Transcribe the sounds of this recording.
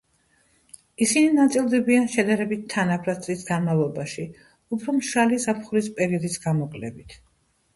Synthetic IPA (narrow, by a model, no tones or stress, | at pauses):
isininat̪sʼilˠd̪ɛbianʃɛd̪aɾɛbit̪̚ʰːanapʰɾasʼisɡanmavlˠɔbaʃi | upʰɾɔmʃalizapʰχuɾispʼɛɾiɔd̪isɡamɔkʼlɛbit̪ʰ